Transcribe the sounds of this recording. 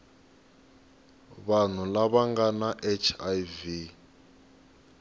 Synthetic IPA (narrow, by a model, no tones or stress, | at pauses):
βan̤ulaβaŋɡanaʔɛt͡ʃʰajvi